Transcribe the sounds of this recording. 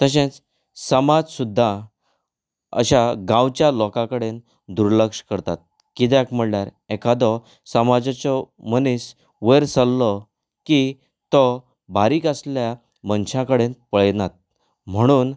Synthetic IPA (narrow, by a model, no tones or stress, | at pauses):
t̪əɕ̬ẽt͡s | səmad͡zsud̪ʱːa | ə̰ɕaɡãwt͡ɕjalɔkãkəɽen | d̪uɾləkʂkəɾt̪at̪̚ | kit̪̬akm̤əɽɳjaɾɛkad̪ɔ | səmad͡zat͡sɔmənis | ʋəjɾsəlːɔ | ki | t̪ɔ | baɾiːkəslja | mənɕãkəɽenpəɭnat̪̚ | m̤əɽ̃uːn